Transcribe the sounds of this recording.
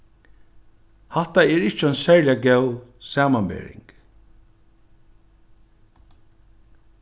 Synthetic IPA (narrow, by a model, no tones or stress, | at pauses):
hat̪aɛɹɪht͡ʃəɛnsɛːɹlɪaɡɛwsaːmanbḛːɹɪ̰ŋk